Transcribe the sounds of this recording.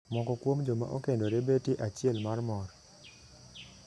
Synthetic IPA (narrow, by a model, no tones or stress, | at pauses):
mɔkɔkwomd͡ʒoma̰ʔokendoɾebetjiʔat͡ʃɪɛlmarmɔɾ